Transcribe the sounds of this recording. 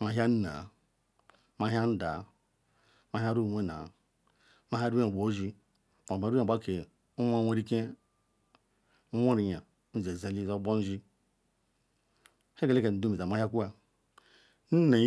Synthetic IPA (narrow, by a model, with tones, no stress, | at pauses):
ma˨ɦʲja˦n˦na̰˨ | ma˨ɦa˦n̩˦da̰˨˦ | ma˨ɦa˦ɾu˦˨wʷe˦na̰˨ | ma˦ɦa˦ɾa˨bo˨˦ʒi˦ | ma˨a˨ɾa˨˦a˦ke˨ | u˦ma˦wʷe˦ɾi˦ke˦ | u˦wʷo˦ɾi˨ɲa˨˦ | n̩˦ze˨za˦li˦˨o˦bo˦n̩˦d͡ʒi˦ | he˦ɡe˨le˦ke˨n̩˨du˦mi˨za˨ma˨˦ha˦ku˦a˨ | n̩˦a˨